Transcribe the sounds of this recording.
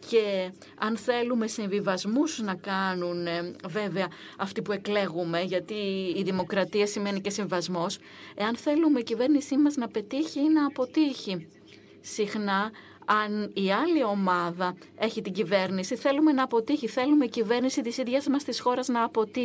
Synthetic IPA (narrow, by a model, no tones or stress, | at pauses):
ce̞ | ɐnθe̞lume̞siɱvivɐzmusnɐkɐnunve̞veɐ | ɐft̪ipue̞kle̞ɣume̞ʝɐt̪iːðimo̞kɾɐt̪iɐsime̞nice̞siɱvivɐzmo̞s | e̞ɐnθe̞lume̞icive̞ɾnisimɐznɐpe̞t̪içinɐːpo̞t̪içi | sixnɐ | ɐniɐlio̞mɐðɐ | e̞çit̪iɟive̞ɾnisiθe̞lume̞nɐːpo̞t̪içiθe̞lumeicive̞ɾnisit̪isiðʝɐzmɐst̪isxo̞ɾɐznɐːpo̞t̪i